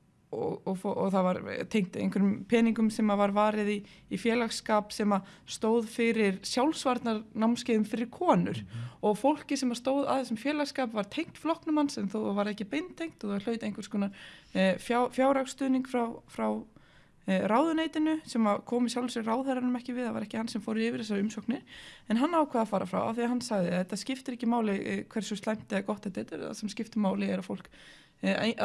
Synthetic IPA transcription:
ɔɔfʔɔɣθavaɾt̪ʰejŋ̥t̪ḛjŋkʰvʏɾʏmpʰɛːniŋkʏmsɛmavaɾvaːɾɪðiː | fjɛːlaxskaːpsɛmast̪oːwðfɪɾɪɾsjawlsvaɾt̪naɾnawmscɪːðʏmfɪɾɪɾ̥kʰɔːnʏ̰ɾ̥ɔɣfowl̥cɪsɛmast̪oːwða̰ðθɛsɪmfjɛːlaɣskaːpvaɾ̥t̪ʰejŋ̥t̪flɔhknʏmansɛnθowvaɾɛhcɪpejnt̪ʰːejŋ̥t̪ɔɣθvaɾl̥œːɥt̪ejŋkvɛ̥ɾskɔːna | fjafjaːwɾakst̪ʏːðniŋkfɾawfɾaw | raːwðʏnejt̪ɪnʏsɛmakʰɔːmɪs̬jawlvɛsɪraːwðɛjɾaɾnʏmɛhcɪvɪðθavaɾɛhcɪhansɛmfoːwɾɪɾɪːvɪɾ̥θɛs̬aɾʏmsowknɪɾ̥ɛnɦanːaːwkʰaðafaːɾafɾa̰wa̰θiahɦanːsaɣðɪθɛt̪ːascɪft̪ɪɾɛhcɪmaːwlɪkʰvɛr̥sɔst̪lajm̥t̪ɪakɔht̪ɛht̪ɛt̪asɛmscɪft̪ɪmaːwlɪɛɾafowl̥k

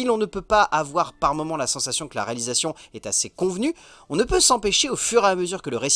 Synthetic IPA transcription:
ilɔ̃nəpøpaʔavwaʁpaʁmɔmɑ̃lasɑ̃sasjɔ̃kəlaʁealizasjɔ̃ɛt̪asekɔ̃vny | ɔ̃nəpøsɑ̃peʃeofyʁeaməzyʁkələʁes

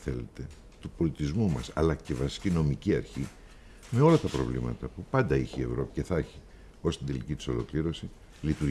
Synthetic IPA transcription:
θe̞̰le̞t̪e̞ | t̪upo̞lit̪izmumɐsɐ̰lɐce̞vɐsi̥cino̞miciɐɾçi | me̞o̞lɐt̪ɐpɾo̞̰vlḭmɐ̰t̪ɐpupɐnd̪ɐiçie̞vɾo̞pi̥ce̞θɐçi | o̞st̪ind̪e̞licit̪i̥so̞̰lo̞̰kliɾo̞si | lit̪uɾ

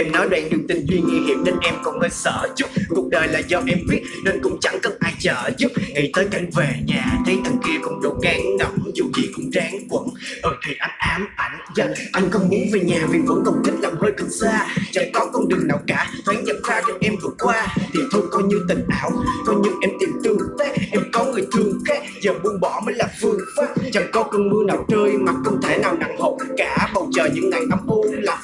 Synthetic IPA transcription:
ʔɛmnɔjɗwa̰nnɨŋt̪ïŋ̟zwiŋḭɦḭəmnenʔɛmkɔwŋ͡məːjsə̰ːzʊp̚kʊk͡p̚ɗəːjlaːzɔʔɛmviət̚nenkʊ̰ŋ͡mt͡ɕaŋkəwŋ͡mʔaːjt͡ɕəːzʊk͡p̚ŋit̪əːjkajŋ̟veɲaːt̪ʰəjt̪əŋkiəkʊ̰wŋ͡mɗo̰t̚ɣaːŋnɔwŋ͡mzut͡ɕḭkʊ̰ŋ͡mt͡ɕaːŋkwə̰nʔəːt̪ʰiʔajŋ̟ʔaːmʔajŋ̟zət̚ʔajŋ̟xəwŋ͡mmunveɲaːvivə̰ŋ͡mkəwŋ͡mkïk̟̚laːmhəːjkɨt̚zaːt͡ɕaŋkɔkəwŋ͡mɗɨŋna̰ːwkaːfəjɲə̰nzaːt͡ɕɔwŋ͡mʔɛmvɨ̰əkwaːt̪ʰit̪ʰukɔjɲɨt̪ïŋ̟ʔaːwk̪ɔjɲɨŋʔɛmt̪iəp̚t̪ɨəŋkaʔɛmkɔŋɨəjt̪ʰɨəŋkaːt̚zəːmuənɓɔməːjlaːfɨəŋfaːp̚t͡ɕaŋkɔkənmɨənawt͡ɕəːjmat̚xʊwŋ͡mt̪ʰenaːwna̰ŋho̰ŋ͡m̚kaːɓəwt͡ɕəːɲɨ̰ŋːajt̪amʔola

